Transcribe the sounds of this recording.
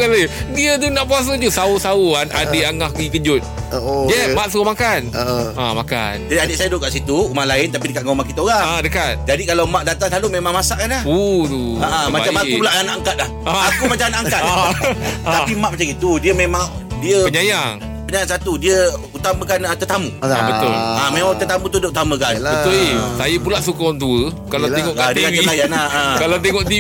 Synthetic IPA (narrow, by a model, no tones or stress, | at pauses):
ɡalajədiət̪unaʔpuas̬ət̪usausauaʔadeʔaŋahɡikəd͡ʒʊt̪̚ojɛmaʔsəomakanəʔamaka̰nd͡ʒadiadeʔsadʊʔkaʔsit̪uumahlaɪnt̪apidəkat̪̚ŋaumakit̪aoɣaŋadəkat̪̚d͡ʒadikalawmãʔdat̪aŋlalumemãŋmasaʔkanaoduaʔamaat͡ʃamaupulaʔanaʔaŋkat̪̚lahakumat͡ʃanaʔakat̪̚a | apimaʔmat͡ʃaŋit̪udiəmemaŋ | diəpəɲajaŋ | pəɲajaŋsat̪udiəut̪amə̃kanət̪ət̪amubət̪ʊlamemãŋt̪ət̪amũt̪udəut̪amə̃kanbəʊisajəpulaʔsukawant̪uə | kalat̪eŋɔʔad̪əkaəilajanaakalat̪̬eŋɔʔ̪i